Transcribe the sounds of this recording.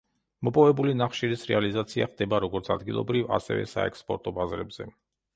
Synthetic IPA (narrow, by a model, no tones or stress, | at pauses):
mɔpʼɔvɛbulinaχʃiɾisɾɛ̰alizat̪sʰiaχd̪ɛbaɾɔɡɔɾt̪sʰa̰d̪ɡilˠɔ̰bɾiva̰sɛ̰vɛ̰saɛkspʼɔɾt̪ʼɔbazɾɛbz̥ɛ